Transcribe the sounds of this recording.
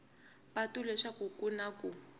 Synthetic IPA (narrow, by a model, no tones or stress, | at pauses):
patulɛʃakukunaku